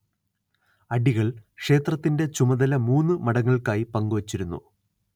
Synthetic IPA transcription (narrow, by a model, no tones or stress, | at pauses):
ɐɖiɣɐɭkʂe̞ːt̪rɐt̪ːinde̞t͡ɕumɐðɐlɐmuːnːɨmɐɽɐŋːɐɭkaːjipɐŋɡuʋɐt͡ɕːiɾunːṵ